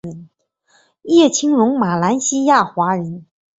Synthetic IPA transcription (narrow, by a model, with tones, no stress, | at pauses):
ə˧˥n | jɛ˥˩t͡ɕʰi˥ŋɻʊ˧˥ŋma˨˩la˧˥nɕi˥ja˥˩xwa˧˥ɻə˧˥n